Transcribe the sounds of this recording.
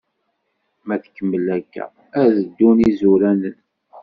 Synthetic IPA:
mæθə̥kːəmːəlæɡːæ̰ | æðəd̪ːunizuɾænən

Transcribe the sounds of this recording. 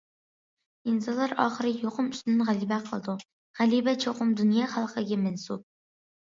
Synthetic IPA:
insɑnlˠɑɾɑːχəɾɨjoqʊmy̥st̪nɪnʁælibæqʰəlˠd̪u | ʁælibɛt͡ʃʰoqʊmd̪unjɑːχælˠqʰəɡʲɛmɛnsup̚

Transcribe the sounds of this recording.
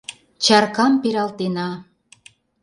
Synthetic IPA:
t͡ɕɑrkɑmpeɾɑlt̪enɑ

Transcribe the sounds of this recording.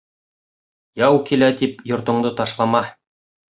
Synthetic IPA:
jɑwkilæt̪ipjŏɾt̪ŏɴd̪ɤt̪ɑʃlˠɑmɑ

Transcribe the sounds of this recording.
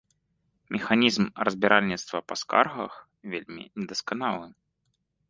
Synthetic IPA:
mʲɛxanʲizmrɐzʲbʲɛɾʔalʲnʲit̪st̪vɐpɐska̰rɣɐ̰x | vʲelʲmʲḭnʲɛd̪ɐskanalˠɨ

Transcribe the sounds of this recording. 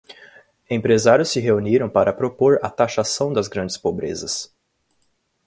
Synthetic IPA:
ẽpɾezaɾjʊsɪɦeuniɾɐ̃w̃paɾɐpɾopoɾɐ̰t̪aʃasɐ̃w̃d̪ɐzɡɾɐ̃nd͡ʒɪspobɾḛzɐs

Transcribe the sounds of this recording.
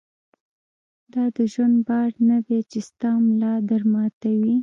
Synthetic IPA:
d̪ɑd̪əʒwand̪̚bɑɽnad̪et͡ʃest̪ɑmlɑd̪aɾmɑt̪awi

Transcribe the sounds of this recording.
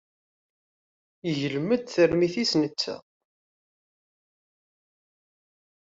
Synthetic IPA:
əʝəlmːəd̪θəɾmiθisnət͡sːæ̰

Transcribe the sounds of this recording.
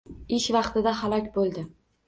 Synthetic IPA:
ɪʃvɑqt̪ɪd̪aɦalˠɒkʲbolˠd̪ɪ

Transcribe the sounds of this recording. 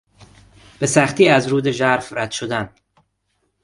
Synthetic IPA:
b̥e̞sæχt̪ʰiːæzɾuːd̪e̞ʒæɾfræd̪̥ʃod̪æn

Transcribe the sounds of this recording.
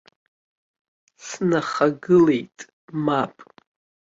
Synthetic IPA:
snaχaɡɨle̞jtʼ | mapʼ

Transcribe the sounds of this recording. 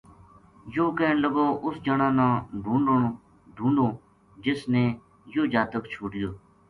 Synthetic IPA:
joːkeːɳləɡoːʔʊsd͡ʒəɳãːnãːɖʱũːɳɖəɳ | ɖʱũːɳɖõː | d͡ʒɪsneː | joːd͡ʒaːt̪əkt͡ʃʰoːɽɪjoː

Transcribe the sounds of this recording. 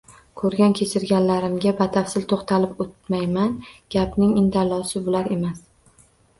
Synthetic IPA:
kʰɵɾɡʲankʲʰe̞t͡ʃʰɪɾɡʲanlaɾɪmɡʲabat̪ʰafsɪlt̪ʰoqt̪ʰalɪpot̪̚majmanɡ̥ʲapnɪŋɪnd̪alːɒsɪbʊlaɾe̞mas

